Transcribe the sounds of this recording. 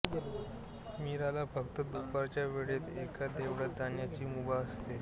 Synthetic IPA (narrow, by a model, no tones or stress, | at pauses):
ɡe | miɾalapəkt̪əd̪upaɾt͡ɕjaʋeɽeːt̪ekad̪eʋɽəd̪aɳjat͡ɕiːmubaəst̪e